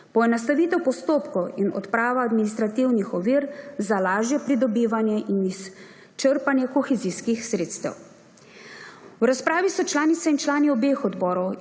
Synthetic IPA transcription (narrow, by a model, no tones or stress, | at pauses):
pɔɛnast̪aʋiːt̪ɛwpɔst̪oːpkɔwinɔ̰t̪pɾaːʋaːd̪minist̪ɾat̪iwnixɔʋiɾzalaːʒjɛpɾid̪ɔbiːʋanjɛʔinis | t͡ʃəɾpanjɛkɔxɛziskixsɾeːt̪st̪ɛ̰w | wɾaspɾaːʋisɔt͡ʃlaːnit̪sɛint͡ʃlaːniɔbeːxɔd̪bɔːɾɔw